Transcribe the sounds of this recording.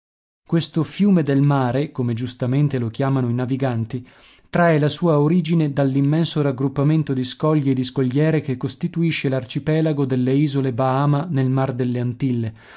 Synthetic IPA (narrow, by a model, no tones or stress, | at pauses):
kwest̪ofjuːmed̪elmaːɾekomed͡ʒust̪ament̪elok̟jaːmanoinaviɡant̪i | t̪ɾaelasuːaoɾiːd͡ʒined̪alːimːɛnsoɾaɡɾupːament̪od̪iskɔʎːed̪iskoʎːɛːɾekekːost̪it̪uiʃːelart͡ʃipɛːlaɡod̪elːeiːzolebaaːmanelmard̪elːeant̪ilːe